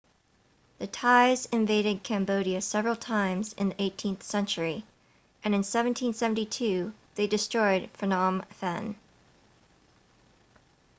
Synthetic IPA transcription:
ðɨtʰaɪzɨ̃ɱveɪɾɨd̚kʰæ̃mboʊɾiɨsɛvɹl̩ˠtʰãɪ̃mzɨ̰̃nðiʔeɪtʰĩnθsɛ̃nt͡ʃə˞i | ʔɨ̃nɨ̃nsɛvɨ̃n̩tʰĩnsɛvn̩titʰʉðeɪdɨstɹ̥ɔɪd̥fɹənɑmfɛ̃n

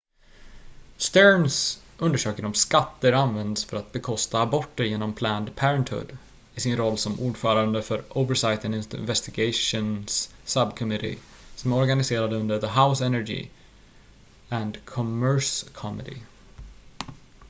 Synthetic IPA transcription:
st̪ɛɹns | ʔɵnd̪əʂøːkəɾɔmskat̪ːəɾanvɛnd̪sfœɾat̪̚bɛkʰɔst̪aːbɔʈːəɾjeːnɔmpʰlæːnd̪pʰæɾənt̪ʰhɵ̰d̪ | ɪsɪnɾɔlːsɔmʔuːɖfœːɾand̪əfœɾʔoʊvəsajt̪ɛnɪnnvɛst̪ɪɡɛɪʂʊnsːəbkʰɔmɪɾɪ̰ | sɔmæɔɾɡanɪseːɾad̪əɵnd̪əɾðəɦaʊsɛnæɾɡɪ̰ | ænd̪kʰɔmœɹskʰɔmɪd̪ɪ̰

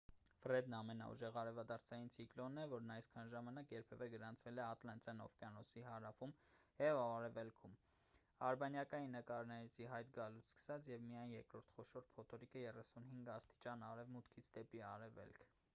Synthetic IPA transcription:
fɾɛd̪nɑmɛnɑ̰ṵʒɛʁɑɾɛvɑd̪ɑɾt͡sʰɑjint͡sʰiklɔnːɛvɔɾnɑjskʰɑnʒɑmɑnɑkjɛɾpʰɛvɛɡəɾɑnt͡sʰvɛlɛɑt̪lɑnt͡sjɑnɔ̰fkɑnɔsiɦɑɾɑfumjɛvɑɑɾɛvɛlkʰum | ɑɾbɑnjɑkɑjinːəkɑɾnɛɾit͡sʰiɦɑjt̪ɡɑlut͡sʰskə̥sɑt͡sʰjɛvmijɑjnjɛɾkɾɔɾt̪ʰχɔʃɔɾpʰɔt̪ʰɔɾikəjɛrɛsunɦiŋɡɑst̪i̥t͡ʃɑnɑɾɛvmut̪kʰit͡sʰd̪ɛpiɑɾɛvɛ̰lkʰ

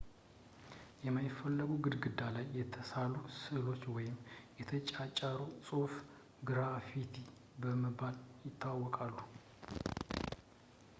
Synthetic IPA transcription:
jɛmajɪfːəlːəɡuɡɨd̪ɡɨd̪ːalajːɛt̪ʰəsalusɨlo̞t͡ʃːwɔjɪmjɛt̪ʰət͡ʃʼat͡ʃʼaɾusʼof | ɡɾafit̪ʰi | bəməbaljɪt̪ʰːawawːɔkʼalːu

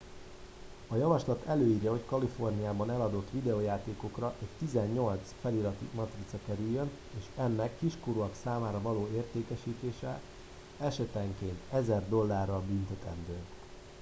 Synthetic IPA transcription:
ɒjɒvɒʃlɒt̪ʰɛløːiːrjɒɦo̞ckɒlifo̞rnijaːbɒnɛlɒd̪o̞t̪ːʋid̪ɛoːjaːt̪eːko̞krɒʔɛct̪izɛɲːo̞lt̪sfɛlilɒt̪ḭmɒt̪rit̪sɒkɛɾyjːøn | eːʃɛnːɛkːiʃkoɾuɒksaːmaːɾɒvɒloːeːrt̪eːkɛʃiːt̪eːʃɛ | ɛʃɛt̪ɛŋkeːnt̪ɛzɛrd̪o̞lːaːrːɒbynt̪ɛt̪ɛnd̪øː

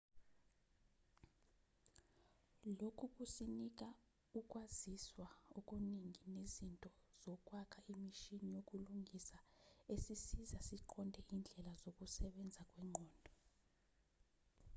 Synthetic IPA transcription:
lokʰuk̬ʼusinik̬a | uk̬ʼwaziswaok̬ʼuniŋinezintʼɔz̥ɔk̬ʼwakʰaimiʃinijok̬ʼuluŋʱisaesisizasiǃʰɔndʱɛʔind͡ɮʱɛlazok̬ʼusɛɓɛnd͡zʱak̬ʼwɛŋ͡ǃʱɔːndʱɔ

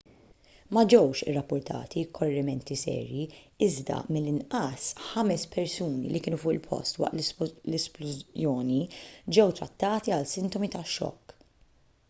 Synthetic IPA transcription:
mɐd͡ʒɛwʃɪ̰rːɐpːʊɾt̪ʰɐ̰ːt̪ʰikʰɔrːɛmɛnt̪isɛ̰ːɾji | ɪzd̪ɐ̰mɪlːɪnʔɐsħɐmɛspɛɾsuːnḭlikɪːnufʊːʔɪ̰lpʰɔ̰st̪wɐ̰ʔt̪llɛsplʊzjɔːnid͡ʒɛwt̪ɾɐt̪ːɐːt̪iɐlsɪnt̪ɔmit̪ɐʃːɔ̰kː

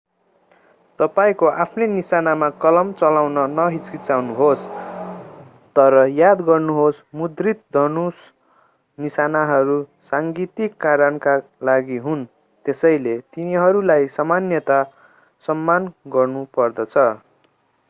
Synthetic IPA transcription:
t̪ʌpaĩkoʔapʰnenisanamakʌlʌmt͡sʌlawnʌnʌɦit͡skit͡sawnuɦos | t̪ʌɾʌjad̪ɡʌrnuɦosmud̪rit̪̚d̪ʱʌnus | nisanaɦʌɾusaŋɡit̪ikːaɾʌnkalaɡiɦun | t̪esʌjlet̪iniɦʌɾulajsʌmanjʌt̪a | sʌmːanɡʌrnupʌrd̪ʌt͡sʰʌ

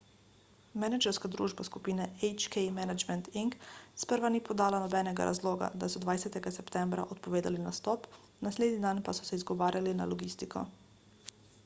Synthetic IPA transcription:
mɛnad͡ʒɛɾskad̪ɾṵːʒbaskupiːnɛɛjt͡ʃkɛjmɛnad͡ʒmɛnt̪iŋkspəɾʋaniːpɔd̪aːlanɔbɛːnɛɡa̰ɾʔa̰zloːɡa̰d̪asɔd̪ʋajsɛt̪ɛɡasɛpt̪ɛmbɾa̰ʔɔt̪̚pɔʋeːd̪alinast̪ɔp | nasleːd̪nid̪anpasɔ̥sɛizɡɔʋaːɾʲjalinalɔɡist̪ikʰɔ̰

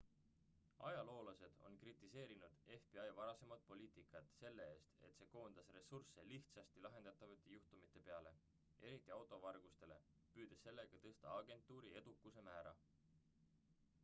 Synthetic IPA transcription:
ɑ̰jɑlo̞ːlɑse̞d̪̥o̞̰nkrit̪ˑːise̞ːɾinud̪̥e̞fb̥iɑjvɑɾɑse̞mɑd̪̥̚po̞lʲiːt̪ˑikˑːɑt̪se̞lːe̞e̞ːst̪e̞t̪se̞ːko̞ːnd̪̥ɑsre̞surseliht̪sɑst̪ilɑɦe̞nd̪̥ɑt̪ːˑɑvɑt̪ːe̞juht̪umit̪ːˑe̞pe̞ɑle̞ | e̞ɾit̪ːˑiɑwt̪ˑo̞vɑrɡ̥ust̪e̞le̞̰ | pyːd̪̥esːe̞lːe̞ɡ̥ɑt̪ɤst̪ɑɑɡ̥e̞nt̪ːˑuːɾie̞d̪̥ukːˑuse̞mæːɾɑ̰

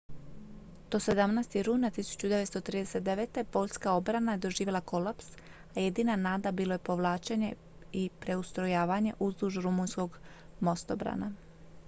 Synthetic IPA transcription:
t̪ose̞d̪amnajst̪iɾuːnat̪isu̥t͡ɕud̪e̞ʋet̪t̪ot̪ɾiːd̪ese̞t̪̚d̪eʋet̪e̞po̞ʎskao̞bɾanajed̪o̞ʒiːʋe̞lako̞lˠaps | aje̞d̪inanaːd̪abiːlˠo̞je̞po̞ʋlˠaːt͡ʃeɲe̞ | ipɾe̞ust̪ɾo̞jaːʋaɲe̞̰ʔuzd̪uʒuɾumunsko̞ɡ | mo̞st̪obɾa̰na

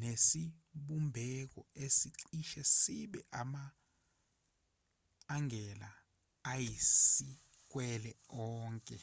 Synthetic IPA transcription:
nesiɓumbʱɛk̬ɔesiǀiʃɛsiɓɛʔama | ŋʱɛlaː | jisi | k̬wɛlɛɔːŋkʼɛ

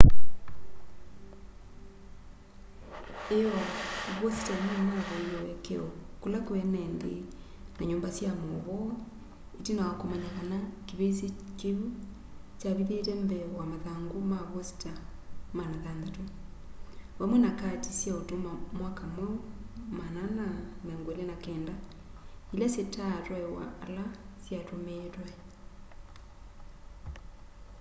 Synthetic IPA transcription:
eɔβwɔsi̥taneamwaβaijɔwɛkeɔkulakwɛnɛnde | naɲoːmbasjamoβɔ | etinawakomaɲaɣanakiβesekeu | t͡ʃaβiðeɾɛmbɛwamaðaːŋɡomaβwɔsi̥tamanaðandato | βamwɛnakatisjaotomamwakamwɛmananamɛŋɡwoelenakɛːnda | ilasetaɾwɛwa̰ʔːlasjaɾomeɾwɛ

